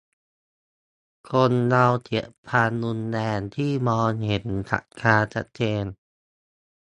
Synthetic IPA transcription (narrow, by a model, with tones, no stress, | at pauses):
kʰo˧nːa˧wt̪ʰi˨˦əpʰaː˧nːu˧nːɛː˧nt̪ʰiː˥˩mɔː˧nhe˩˦nt̪ʰa̰˨˩t̚kʰaː˧t͡ɕʰa˦˥t̪̚t͡ɕeː˧n